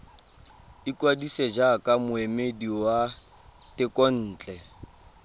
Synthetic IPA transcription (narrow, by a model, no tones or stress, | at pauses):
ikʼwadised͡ʒakʼamʊemediwa | tɪkʼɔn̩ːt͡ɬʼɛ